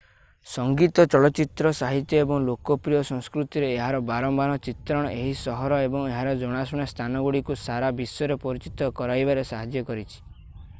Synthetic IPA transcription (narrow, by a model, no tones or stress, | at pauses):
sɔŋɡit̪ɔt͡ʃɔɭɔt͡ʃit̪ɾɔsaɦit̪jɔebɔŋlokɔpɾijɔsɔŋskɾut̪iɾeːɦaɾɔbaɾɔmbanɔt͡ʃit̪ɾɔɽ̃ɔʔeɦisɔɦɔɾɔebɔŋeɦaɾɔd͡ʒoɽ̃asɔɽ̃est̪ʰanɔɡuɽikusaɾabisɔɾepɔɾit͡ʃit̪ɔkɔɾajbaɾesaɦad͡ʒjɔkɔɾit͡ʃʰi̥